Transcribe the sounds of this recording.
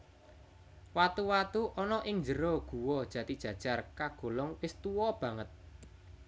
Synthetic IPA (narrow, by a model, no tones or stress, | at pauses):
wat̪uwat̪uʔɔnɔʔɪŋd͡ʒəɾɔɡ̥ṳwɔd̥ʒ̥ä̤t̪id̥ʒ̥ä̤d̥ʒ̥a̤rkaɡ̥o̤lɔŋwɪst̪uwɔb̥ä̤ŋət̪̚